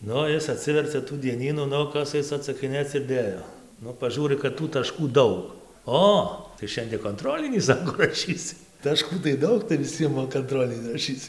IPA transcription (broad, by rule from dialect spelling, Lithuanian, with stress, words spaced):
ˈnʊ ˈɪs ɐˈtʲsʲɪʋʲɛrʲt͡sʲɛ tuː dʲiɛˈnʲiːnuː ˈnʊ ˈkɐs ˈɐɪs ɐtsɐkʲɪˈnʲeːt͡s ɪr ˈdʲeːjoː ˈnʊ pɐˈʒuːrʲɪ kɐt tuː tɐˈʃkuː ˈdɐʊk ˈoː tɐɪ ˈʃʲɛnʲdʲiɛ koːnˈtroːlʲɪnʲiː ˈsɑːkoː rɐˈʃʲiːsʲɪ tɐˈʃkuː tɐɪ ˈdɐʊk tɐɪ ʋʲɪˈsʲiɛm ʋɐ kɐnˈtroːlʲɪnʲɪ rɐˈʃʲiːt͡s